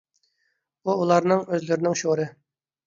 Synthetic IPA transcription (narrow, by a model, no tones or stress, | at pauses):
uːlˠɑɾnɨŋøzlɪɾɪnɪŋʃoɾɨ